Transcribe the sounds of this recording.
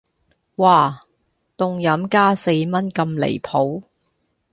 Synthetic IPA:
waː˨˩ | t̪ʊ˨˧ŋjɐ˨˥mkaː˥se˧jmɐ˥nkɐ˧mlḛ˨˩jpʰo˨˥w

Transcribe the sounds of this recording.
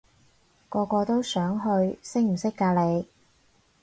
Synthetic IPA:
kɔː˧kɔː˧t̪o˥wsœː˨˥ŋɦɵ˧ɥsɪ˥k̚m̩˨˩sɪ˥kːaː˧le˨˧j

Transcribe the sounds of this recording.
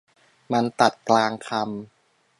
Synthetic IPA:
ma˧nt̪a˨˩t̪̚klaː˧ŋkʰa˧m

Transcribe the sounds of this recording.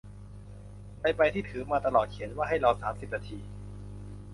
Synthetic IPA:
pa˧jpa˧jt̪ʰiː˥˩t̪ʰɯː˩˦maː˧t̪a˧lɔː˨˩t̪̚kʰi˨˩˦ənwaː˥˩ɦa˥˩jɾa˧wsaː˩˦msi˨˩p̚naː˧t̪ʰiː˧

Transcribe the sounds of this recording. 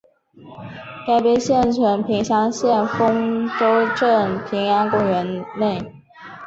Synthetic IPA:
k̪a˥˩ɪpjɛ˥˩ɕjɛ˥˩nt͡sʰwə˧˥npʰi˧˥ŋɕjɑ˧˥ŋɕjɛ˥˩nfʊ˥ŋʈ͡ʂo˥ʊʈ͡ʂə˥˩ŋpʰi˧˥ŋjɑ˧˥ŋkwɔ˥˩ɥɛ˧˥nne˥˩ɪ

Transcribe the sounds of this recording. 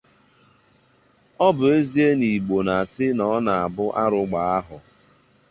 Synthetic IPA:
ɔ˦bʊ˨e˦zi˦e˦ni˨ɡ͡bo˨na˨sɪ˦nɔ˨˦na˨a˨bʊ˦ʔa˦ɾʊ˨ɡ͡ba˨a˦ɦʊ˨

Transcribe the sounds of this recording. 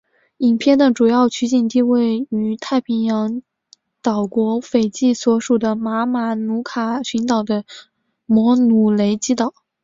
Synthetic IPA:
i˨˩ŋpʰjɛ˥˩nd̪ə˨ʈ͡ʂu˨˩jɑ˥˩ʊt͡ɕʰy˧˥t͡ɕi˨˩nt̪i˥˧we˥˩ɪy˨˧˩t̪ʰa˥˩ɪpʰi˧˥ŋjɑ˧˥ŋ | t̪ɑ˨˩ʊkwɔ˧˥fe˨˩ɪt͡ɕi˥˩swɔ˧˥ʂu˨˩d̪ə˦ma˧˥ma˧˥nu˧˥kʰa˨˩ɕy˧˥nt̪ɑ˨˩ʊd̪ə˦ | mwɔ˧˥nu˨˩le˧˥ɪt͡ɕi˥t̪ɑ˨˩˦ʊ

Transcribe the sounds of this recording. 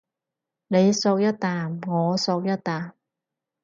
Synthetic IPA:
ne˨˧jso˧k̚jɐ˥t̚t̪aː˨˩mŋɔː˨˧soː˧k̚jɐ˥t̪aː˨˩m

